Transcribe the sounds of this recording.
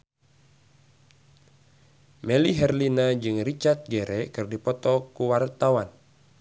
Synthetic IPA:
mɛliɦɛrlinad͡ʒɨŋrit͡ʃart̪̚ɡɛɾɛkɨrdipɔt̪ɔkuwart̪awan

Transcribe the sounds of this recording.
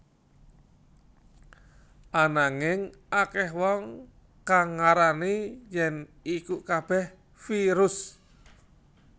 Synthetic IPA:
ʔanaŋɪŋʔakɛɦwɔŋ | kaŋːaɾanejɛnikukab̥ɛh | fiɾʊs

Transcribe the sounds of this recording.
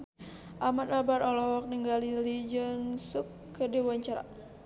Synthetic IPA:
ʔamat̪abaɾɔlɔk̚niŋɡalilid͡ʒənsukː | ədiwaɲt͡ʃaɾa̰

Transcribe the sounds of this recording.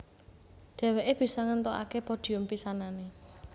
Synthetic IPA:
ɖ̪̥ɛ̤weʔeb̥i̤sɔŋənt̪oʔa̰kepɔd̪̥i̤umpisanane

